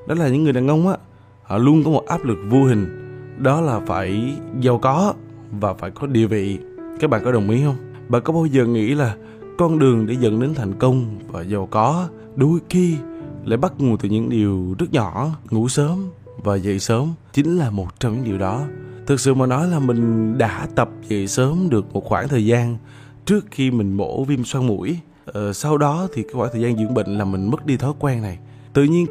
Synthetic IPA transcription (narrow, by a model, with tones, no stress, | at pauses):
ɗɔ˨˦laː˨˩ɲɨ̰˧˥ŋːɨ˨˩əjɗaː˨˩ŋʔə˧wŋ͡mʔaː˧˦ | hɔ̰˧˨lu˧ənkɔ˨˦mo˨˩t̚ʔaː˦˥p̚lɨ˨˩k̚vo˧hï˨˩ŋ̟ɗɔ˨˦laː˨˩faː˧˩jza˨˩wkɔ˨˦ | vaː˨˩faː˧˩jkɔ˨˦ɗi˨˩əvḭ˧˨ | kaː˦˥k̚ɓa̰ː˧˨nkɔ˨˦ɗə˨˩wŋ͡mʔḭ˨˦hə˧wŋ͡m | ɓa̰ː˧˨kɔ˨˦ɓaː˧wzəː˨˩ŋḭ˧˥laː˨˩ | kɔ˧nɗɨ˨˩əŋɗe˧˩zə̰˧˨nɗe˨˦nt̪ʰa˨˩jŋ̟kə˧wŋ͡mvaː˨˩zə˨˩wkɔ˨˦ | ɗo˨˩˦jxi˧la̰ː˧˨jɓa˦˥t̚ŋo˨˩t̪ɨ˨˩ɲɨ̰˧˥ŋɗi˨˩əwzə˦˥t̚ɲɔ˧˨ŋṵ˧˥səː˨˦m | vaː˨˩zə̰˧˨jsəː˨˦mt͡ɕï˨˦ŋ̟laː˨˩mo˨˩t̚t͡ɕɔ˧wŋ͡mɲɨ̰˧˥ŋɗi˨˩əwɗɔ˨˦t̪ʰɨ˨˩t̚sɨ̰˧˨maː˨˩nɔ˨˦jlaː˨˩mï˨˩ŋ̟ɗa̰ː˧˥t̪ə˨˩p̚zə̰˧˨jsəː˨˦mɗɨ˨˩ək̚mo˨˩t̚xwaː˧˩ŋt̪ʰəː˨˩jzaː˧n | t͡ɕɨ˦˥ək̚xi˧mï˨˩ŋ̟mo̰˧˥vi˧mswaː˧nmṵ˧˩˥j | sa˧wɗɔ˨˦t̪ʰi˨˩ka˨˦jxwaː˧˩t̪ʰːzaː˧nzɨ̰˧˥əŋɓə̰˧˨ŋ̟laː˨˩mï˨˩ŋ̟mə˦˥t̚ɗi˧t̪ʰɔ˨˦jkwɛː˧nna˨˩j | t̪ɨ̰˧˨ɲi˧ən